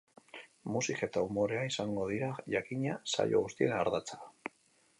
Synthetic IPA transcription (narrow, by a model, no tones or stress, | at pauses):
musikaet̪aumo̞ɾe̞aisaŋɡo̞ð̞iɾaʝakiɲasa̰jo̞̰ɣust̪ienaɾðat͡sḁ